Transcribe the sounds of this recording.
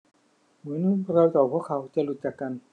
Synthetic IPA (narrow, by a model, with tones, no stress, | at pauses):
mɯ˨˦nu˧˥˨u˥˩˨kɾa˧wt̪ɔː˨˩pʰu˥˩əkʰːa˩˦wt͡ɕa˧˨lu˨˩t̪̚t͡ɕa˨˩kːa˧n